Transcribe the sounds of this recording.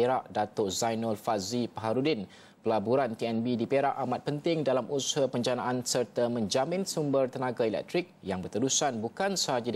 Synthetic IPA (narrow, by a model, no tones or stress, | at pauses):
eɾaʔdat̪oʔzajnɔlfazipaɦaɾudɪn | pəlabuɾant̪iɛnbidipeɾaʔamat̪̚pənt̪ɪŋdalamʔusɦapəɲd͡ʒanaʔansərt̪amə̃ɲd͡ʒamɪ̃nsumbərt̪ənãɡailɛ̰k̚t̪ɾɪk̚jaŋbərt̪əɾusanbukansəɦad͡ʒa